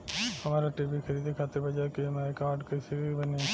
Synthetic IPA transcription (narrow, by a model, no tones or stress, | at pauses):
hɐmaːɾaʈibikʰɐɾiːd̪ekʰaːt̪ɪɾbɐd͡ʒaːkimaːekaːɾɖkɐsibɐne